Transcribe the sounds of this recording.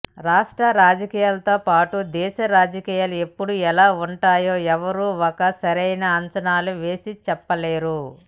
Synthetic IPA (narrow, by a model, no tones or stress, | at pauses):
ɾaːʂʈɾɐɾaːd͡ʒɐkiːjaːlɐt̪o̞ːpaːʈud̪ɛːʃɐɾaːd͡ʒɐkiːjaːlue̞pːuɽuɛlaːuɳʈaːjoːɛʋɐɾuɔkɐsɐɾɐjnɐːɲt͡ʃɐnaːluʋe̞ːsit͡ʃɛpːɐle̞ːɾu